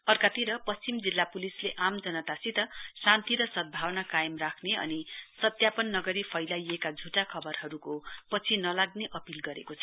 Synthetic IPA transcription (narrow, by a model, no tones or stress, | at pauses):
ʌrkat̪iɾʌpʌst͡simd͡zilːapulisleʔamd͡zʌnʌt̪asit̪ʌsãnt̪iɾʌsʌd̪̚bʱawnakajʌmrakʰneʌ̰nisʌt̪japʌnːʌɡʌɾipʰʌjlajekad͡zʱuʈakʰʌbʌrɦʌɾukopʌt͡sʰinʌlaɡ̚neʔʌpilɡʌɾḛkot͡sʰʌ